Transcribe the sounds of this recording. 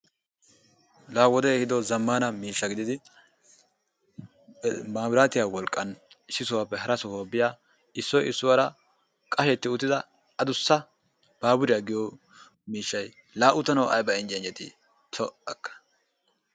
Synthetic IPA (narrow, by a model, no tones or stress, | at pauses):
laːwɔd̪ɛhɪd̪ɔzɐmːaːnɐmiːʃːɐɡɪd̪ɪd̪ɪ | maːmɾaːt̪ɪjaːwɔlkʼːɐn | ɪsːɪsʊwaːpːɛɦɐɾɐsʊhoːbɪjaː | ɪsːɔjɪsːʊwaɾɐ | kʼɐʃɛt̪ːɪʊt̪ːɪd̪ɐ | ɐd̪ʊsːɐ | b̥aːbʊɾɪjɐɡɪjɔ | miːʃːɐj | laːʔʊt̪ːɐnɐwʔɐ̰jbɐɪnd͡ʒɛnd͡ʒɛt̪ɪ̰ | t̪ʰɔʔɐkːɐ̥